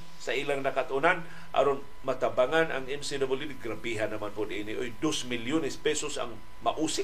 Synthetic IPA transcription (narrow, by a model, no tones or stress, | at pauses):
saʔilaŋnakat̪ʔʊnan | ʔa̰ɾon | mat̪abaŋana̰ŋɪmsɪdabɪlid̪ɪɡɾabiɦanːɐmanpʊd̪ʔinɪʔojd̪osmɪljonɛspɛsosa̰ŋ | maʔusɪ